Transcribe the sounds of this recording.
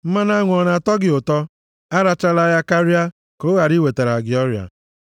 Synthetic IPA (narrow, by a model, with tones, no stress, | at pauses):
m̩˦ma˦na˦ŋʷ˨ɔ˨na˨tɔ˦ɡɪ˨ʊ˨tɔ˦ | a˦ɾa˨t͡ʃa˦la˦ja˦ka˦ɾi˦a˦ | ko˨˦ɣa˨ɾi˦we˨te˨ɾa˨ɡɪ˨ɔ˦ɾja̰˨